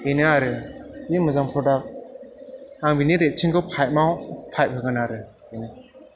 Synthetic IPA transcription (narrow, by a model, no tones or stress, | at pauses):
enɯaɾɯimɯzampʰɔdak̚ | aŋbiniɾet͡ʃʰiŋkʰɯwpʰajt̚mawpʰaj̚hɯɡanaɾɯ | enɯ